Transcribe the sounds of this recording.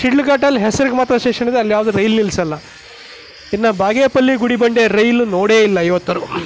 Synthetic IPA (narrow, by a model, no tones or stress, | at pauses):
ʃiɖluɡaːʈɐlːɦɛsɐɾiɡemaːt̪ɾɐʃeːkʂɐnid̪eɐlːjaːʋɐd̪uɾɐjlnilsɐlːɐ | inːɐbaːɡeːpɐlːiɡuɽibɐɳɖeɾɐjlunoːɽeːilːɐɐjʋɐt̪ːɐɾu